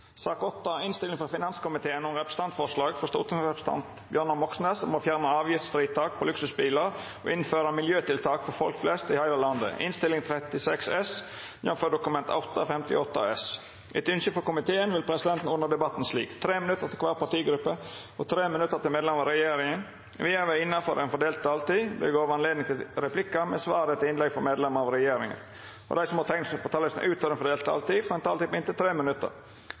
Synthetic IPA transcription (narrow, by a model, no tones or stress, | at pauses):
sɑːkɔt̪ːɑɪnst̪ɪlɪŋfɔɾfɪnɑnskʊmɪt̪ʰeːənɔmɾɛpɾə̥st̪ɑnt̪fɔʂlɑːɡfɔst̪o̰ːt̪ənɾɛpɾəst̪ʰɑ̰nt̪bjœɾnəmɔksneːsɔmoːfjæːɾnəɑːʋjɪft̪st̪ɾiːt̪ʰɑːk̚pʰɔlʉksʉsbiːləɾ | ɔ̰ʔɪnføːɾɑmɪljøːt̪ɪlt̪ʰɑːkfɔɾfɔlkflɛst̪ɪhæɪɾəlɑnd̪ə̰ɪ̰nst̪ɪlːɪŋt̪ʰɾɛt̪ɪsɛksɛs | jɔmføːɖ̪ʊkʉmɛnt̪ʰɑ̰ʊt̪ːɑfɛmt̪ɪ̰ɔt̪ːɑ̰ɛs | ʔɪt̪ʉnçəfɔkʊmɪt̪ʰeːənʋɪlpʰɾɛsɪd̪ɛnt̪n̩ʊnːəɾd̪ɛbɑt̪ːn̩slḭːkt̪ʰɾeːmɪnʉt̪ːəɾt̪ɪlkʋɑːɾpɑʈ̪iːɡɾʉpːə | ɔt̪ʰɾeːmənʉt̪ːəɾt̪ɪlmeːd̪lɛmɑɾɛjeːɾɪŋən | ʋɪæʋɛɪnːɑfɔɾʔɛnfɔɖeːlt̪̚t̪ɑːlt̪iːb̪ɛ̰ɡoːʋəɑnleːd̪nɪŋt̪ʰɪlɾɛpʰlɪkːɑmɛsʋɑːɾət̪ʰɪɪnlɛɡfɔɾmeːd̪lɛməɾɑʋɾɛjeːɾɪ̰ŋə̰n | ʔɔ̰d̪æɪsɔmɑt̪ʰɛŋt̪spʰɔt̪ʰɑːləsn̩ʔʉːt̪ʰɔʋɾɛnfɔɖ̪eːlt̪ɑ̰ːlt̪iːfɔɾɛnt̪ʰɑːlɪpɪnt̪ət̪ʰɾeːmənʉt̪ːə̰ɾ